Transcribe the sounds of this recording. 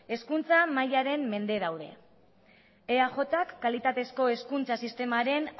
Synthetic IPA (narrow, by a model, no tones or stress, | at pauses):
e̞skunt͡samajaɾe̞mːe̞nd̪e̞ð̞awðe̞̰ | eaʝo̞t̪akːalit̪at̪e̞sko̞e̞skunt͡sasist̪e̞maɾe̞n